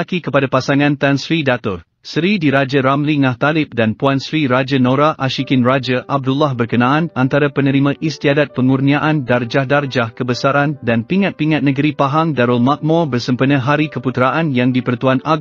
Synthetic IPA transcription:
akikəpadapasaŋãnt̪ansɾidat̪ʊr | səɾidiɾad͡ʒaɾamliŋãht̪alɪp̚danpuansɾiɾad͡ʒənõɾaʔaʃikɪnrad͡ʒəʔab̚dulahbərkənãanant̪aɾapənə̃ɾimãʔist̪iadat̪̚pəŋurniaʔandard͡ʒahdard͡ʒahkəbəsaɾandanpiŋat̪̚piŋat̪̚nəɡəɾipaɦaŋdaɾʊlmak̚mɔ̃bərsəmpənə̃ɦaɾikəput̪ɾaʔanjaŋdipərt̪uana

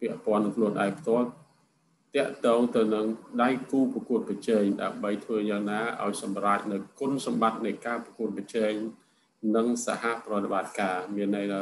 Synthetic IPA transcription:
pɛ̆əʔpŏənːɨŋkʰluənʔa̰ɛŋpʰt̪ŏəl | t̪ɛ̆əʔt̪ɔːŋt̪ɨwnɨŋɗajkuːprɑkuət̪̚prɑt͡ɕɛːɲɗa̰əmɓəjt̪ʰʋəːjaːŋnaːʔa̰ɔjsɑmraːc̚nɨwkʊnsɑmɓat̪̚nɨjkaːprɑkuət̪̚prɑt͡ɕɛːɲ | nɨŋsa̰haprɔ̆ət̪eɓat̪̚kaːmiənːəjtʰa

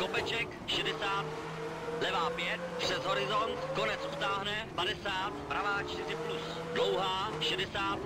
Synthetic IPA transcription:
ko̞pɛt͡ʃɛk | ʃɛdɛsaːt̪ | lɛvaːpjɛt̪̚pr̝̥ɛzɦo̞ɾɪzont̪ko̞nɛt͡sʔut̪aːɦnɛpadɛsaːt̪pɾavaːt͡ʃt̪ɪrɪplus | dlowɦaːʃɛdɛsaːt̪

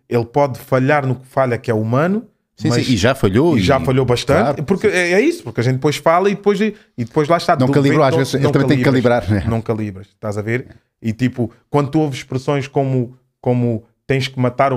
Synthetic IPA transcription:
elˠpɔðfɐʎaɾnukfaʎɐkɛumɐ̃nu | sĩmɐsĩiʒafɐʎoiʒafɐʎoβɐʃt̪ɐ̃nɾpuɾkɛɛisu̥puɾkɐʒẽt̪d̪ɨpojʃfalˠɐiðɨpojʒ | iðɨpojʒlˠaʃt̪adnɐ̃w̪ũkɐlˠĩɾoaʒvezʃenl̃tɐm̃ɐt̪eiβkɐɾˠlˠĩβɾaɾɛnɐ̃w̃kɐlˠiβɾɐʃt̪azɐveɾ | it̪ipukwɐ̃nd̪ut̪uovzʃpɾɨsõj̃ʃkomu | komu | t̪ẽj̃ʃkɨmɐt̪aɾ

